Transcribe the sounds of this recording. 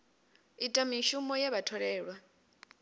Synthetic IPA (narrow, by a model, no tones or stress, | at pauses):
itʼamiʃumɔjaβatʰɔɺɛːɺwa